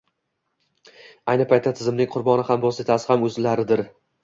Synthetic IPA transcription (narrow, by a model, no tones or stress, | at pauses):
ajnɪpʰajt̪ʰːat̪ʰɪzɪmnɪŋqʰʊɾbɒnɪhambɒse̞t̪ʰasɪ̥hamɵzlaɾɪd̪ɪɾ